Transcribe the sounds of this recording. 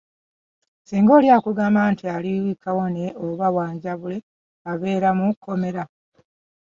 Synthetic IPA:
siːŋɡo̞ːljaːkuɡaːmbaːntialiwikʰawone̞ʔoβawaːɲɟaβule̞ | aβe̞ːɾamukːo̞me̞ɾa

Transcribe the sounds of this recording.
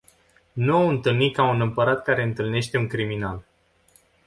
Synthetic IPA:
nuowɨnt̪ɨlnikaunɨmpəɾat̪̚kaɾe̞ɨnt̪ɨlne̞ʃt̪e̞uŋkɾiminal

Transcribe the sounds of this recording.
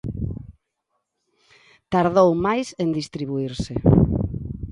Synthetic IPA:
t̪aɾðowmajsend̪ist̪ɾiβ̞uiɾsɪ

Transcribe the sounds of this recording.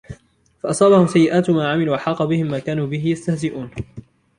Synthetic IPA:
faʔɑsˤɑːbahʊmsajːɪʔaːt̪maːʕamɪluːʔaħɑːqɑbɪhɪmːaːkaːnuːbɪɦɪjast̪ahzɪʔuːn

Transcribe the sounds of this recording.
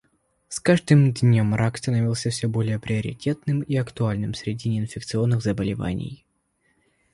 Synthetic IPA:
skaʐd̪ɨmd̪ʲnʲomrakst̪ənɐvʲilˠsʲəfsʲɵbo̞lʲɪjəpɾʲɪəɾʲɪ̰tʲe̞t̪nɨmiɐkt̪ʊalʲnɨmsɾʲɪdʲinʲɪɪnfʲɪk̚t̪sɨo̞nːɨɣzəbəlʲɪva̰nʲɪ̰j

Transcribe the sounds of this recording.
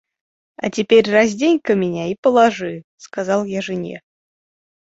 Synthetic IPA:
a̰tʲɪpʲerʲraz̬ʲdʲenʲkəmʲɪnʲaipəlˠaʐɨ | skazɑlˠjaʐɨnʲḛ

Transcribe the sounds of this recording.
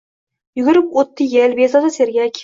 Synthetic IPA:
jʊɡʲɪɾɪpot̪ʰːɪjelbezɑt̪aseɾɡʲakʲʰ

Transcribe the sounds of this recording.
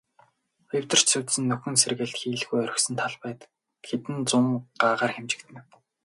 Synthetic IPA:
j̆w̥t̪ə̆r̥t͡ɕsɵwt̪sɘ̆nːɵxʲɘ̆nserɣĕːɮt̪xiːɮɣujœɾʲɪ̆xsɘ̆nt̪ʰaɮpæːt̪ | xet̪ɘ̆nt͡sʊmɢaːʁaːrxemt͡ɕɪ̥̆kt̪ʰɘ̆n

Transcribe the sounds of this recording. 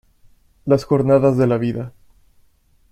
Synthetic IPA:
lasxo̞ɾnaðazðe̞laβiða

